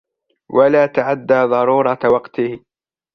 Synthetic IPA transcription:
wʔalaːt̪aʕad̪ːaːðˤɑɾuːɾˤɑt̪wɑqt̪ɪhɪ

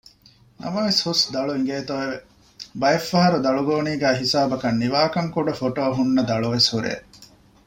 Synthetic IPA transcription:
nʔɐ̰mɐʋeshusd̪ɐɭuiŋɡeːt̪oʋeʋe | bɐjefːɐɦɐɾud̪ɐɭuɡoːniːɡæːɦisaːbɐkɐnːiʋaːkɐŋkuɖɐfoʈoːɐɦunːɐd̪ɐɭuʋeshuɾʔḛː

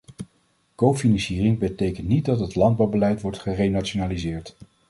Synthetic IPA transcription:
kowfinɑnsiːrɪŋbətejkəntnit̚dɑtɦətlɑnd̚bɑwbəlɛjtʋɔɹtχərejnat͡ʃonaːlizɪːɹt

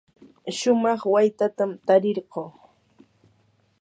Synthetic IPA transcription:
ʃʊmɑχwajt̪at̪amt̪aɾɪɾɢoː

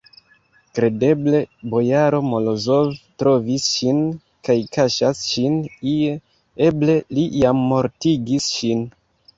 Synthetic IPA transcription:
kɾe̞de̞ble̞bo̞jaɾo̞mo̞lozo̞vtɾo̞visʃin | kajkaʃasʃinie | e̞ble̞lijamːo̞ɾtiɡisʃin

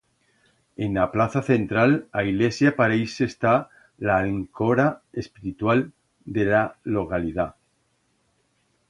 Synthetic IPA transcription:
enaplaθaθe̞nt̪ɾalaiɣlesjapaɾejsest̪a | laŋkoɾaespiɾit̪wal | d̪elalokaliða

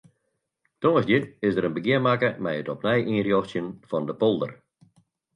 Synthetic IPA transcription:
tõːəsdɪtɪsdəɾənbəɡɪəmakəmɛjətɔpnɛjʔiːrjɔxsjənfɔndəpɔlˠdə̰r

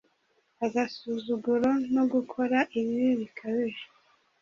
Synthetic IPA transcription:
aɡasuzuɡuɾonoɡukʰo̞ɾaʔiβiɾiβikʰaβeɾ

